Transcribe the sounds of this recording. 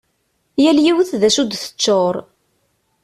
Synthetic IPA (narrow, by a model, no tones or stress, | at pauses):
jæljiwθðæʃud̪θə̥t͡ʃːoɾˤ